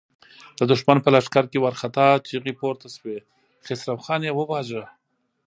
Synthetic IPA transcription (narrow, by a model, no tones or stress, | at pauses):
d̪əd̪ʊʃmanpəlaʂkaɾkewaɾxat̪ɑt͡ʃiɣipoɾt̪aswe | xesɾawxɑnjewəbɑʒə